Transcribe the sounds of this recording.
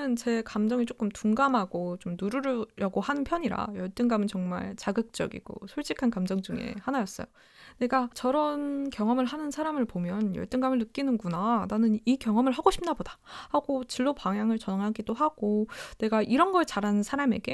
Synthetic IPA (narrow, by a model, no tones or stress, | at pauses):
ɯnt͡ɕe̞kamd͡ʑʌŋit͡ɕ͈ok͈ɯmtuŋɡamɦaɡot͡ɕomnuɾuɾɾjʌɡohanɯnpʰjʌɲiɾa̰jʌɭt͈ɯnɡamɯnt͡ɕʌŋma̰ɭt͡ɕaɡɯk̚t͡ɕ͈ʌ̰ɡḭɡ̥o̰sʰoɭt͡ɕ͈ikʰankamd͡ʑʌŋd͡ʑuŋe̞̰hanajʌs͈ʌjo | ne̞ɡat͡ɕʌɾʌnkjʌŋʌmɯɭɦanɯnsʰaɾamɯɭpomjʌnjʌ̰ɭt͈ɯŋɡamɯɭnɯk͈inɯnɡunananɯnikjʌŋʌmɯɭɦaɡoɕʰip̚nabodḁhaɡot͡ɕɯɭːopaŋjaŋɯɭt͡ɕʌnaŋɦaɡidoɦaɡ̥one̞ɡaʔiɾʌnɡʌt͡ɕaɾanɯnsʰaɾame̞̰ɡe̞